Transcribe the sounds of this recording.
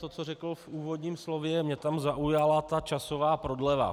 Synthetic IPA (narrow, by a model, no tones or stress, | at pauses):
t̪ot͡sorɛkl̩fʔuːvo̞d̪ɲiːmslo̞vjɛmɲɛt̪amzaʔujalat̪at͡ʃasovaːpɾo̞dlɛva̰